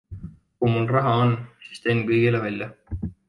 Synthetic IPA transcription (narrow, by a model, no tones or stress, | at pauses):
kumulrɑɦɑonːsi̥st̪eŋkɤjɡ̥ilevælʲjɑ